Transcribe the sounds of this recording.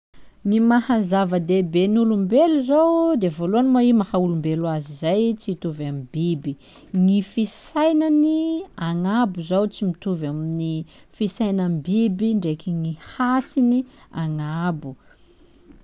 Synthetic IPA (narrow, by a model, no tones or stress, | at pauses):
nimahazavəd̪ebenulumbeluzowd̪evoluanimaimahaulumbelwazizajt͡sit̪uvamibibi | ŋifisajnaniaŋabuzowt͡simit̪uvamini | fisajnambibiɳɖ͡ʐekiŋihasiniaŋabu